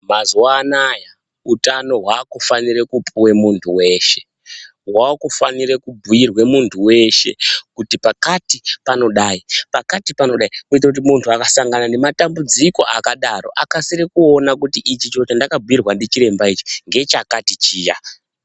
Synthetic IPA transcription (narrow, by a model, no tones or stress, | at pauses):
mazuwaːnaja | utano̞ɦwaːkufaniɾekupʰuwe̞muntʰuwe̞ʃe | ɦwakufaniɾekubʱujirwe̞muntʰuwe̞ʃe̞̰kutipakatipano̞ɗaipakatipano̞ɗaikuit̬rak̬ut̬imuntʰuakasaŋɡanane̞matambud͡ziko̞ʔakaɗaro̞̰ʔakasiɾekuo̞nakutiʔit͡ʃit͡ʃo̞t͡ʃandakabʱuirwandet͡ʃiɾe̞mbait͡ʃi̥ŋɡe̞t͡ʃakatit͡ʃiːja